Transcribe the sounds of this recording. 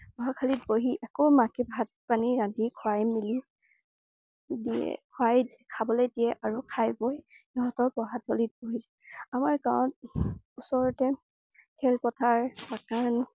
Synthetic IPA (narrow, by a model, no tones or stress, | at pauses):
bɔɦakʰalitboɦiʔɛkomakɛbʱat̚paniɹãdikʰɔajmili | diɛ̰kʰwaj | kʰabɔlejdiɛʔaɹukʰajbɔj | ɔɦɔtɔpɔɦatʰɔlit̚boɦiz | amaɹkawɔ̃t̚ | usɔɹɔtɛ | kʰɛlpɔtʰaɹakaɹn